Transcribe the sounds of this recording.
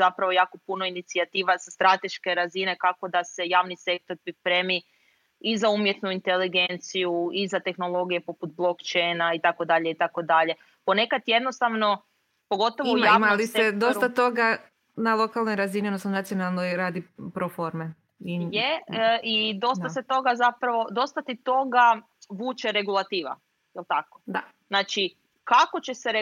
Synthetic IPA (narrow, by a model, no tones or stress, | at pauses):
zapɾaʋojaːko̞punoinit̪siat̪iːʋazast̪ɾat̪e̞ʃke̞ɾazine̞kako̞d̪ase̞jaːʋnise̞k̚t̪o̞ɾpɾipɾeːmi | izaumje̞t̪nuint̪eliɡe̞nt̪sijuizat̪e̞xno̞lˠo̞ɡijepo̞put̪̚blˠo̞kt͡ʃejnait̪ako̞d̪aʎeit̪ako̞d̪aʎe̞ | po̞ne̞kat̪je̞d̪nost̪aʋno̞ | po̞ɡo̞t̪oʋojamalised̪o̞st̪at̪o̞ɡa | nalˠo̞kalˠnojɾazinionost̪anonat̪sijo̞nalˠnojɾaːd̪ipɾofo̞ɾme | ijeʔid̪o̞st̪aset̪o̞ɡazapɾaʋo̞d̪o̞st̪at̪it̪o̞ɡa | ʋuːt͡ʃeɾeɡulˠat̪iːʋa̰ | jelˠt̪akod̪a | znaːt͡ʃi | kako̞t͡ʃe̞seɾ